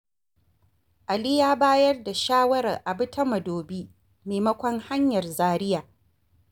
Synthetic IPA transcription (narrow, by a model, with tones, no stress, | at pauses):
ʔa˨liː˦jaː˦baː˦jɐ˦rda˨ʃaː˦wɐ˦ɾɐ̰˨rʔa˨bɪ˦tʰɐ˦mɐ˨doː˨biː˦ | meː˨mɐ˦kʷɔ˦ŋha˦ɲjɐ˨rzaː˦ɾɪ˦jaː˨